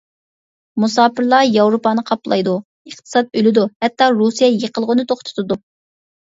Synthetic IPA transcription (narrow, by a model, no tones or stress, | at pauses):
musɑːpɨɾlˠɑjɑwɾopɑːnɨqʰɑplˠɑ̰jd̪u | əχt̪ʰɨ̥sɑt̪̚ølɪd̪uhɛt̪ːɑɾusijɛjəqəlˠʁʊnɨt̪ʰoχt̪ʰʊ̥t̪ɨd̪u